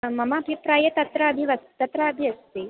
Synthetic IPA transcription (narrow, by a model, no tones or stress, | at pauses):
mɐmaːbʱipɾaːjɐt̪ɐt̪ɾɐɐbʱiʋɐst̪ɐt̪ɾɐɐbʱiɐst̪i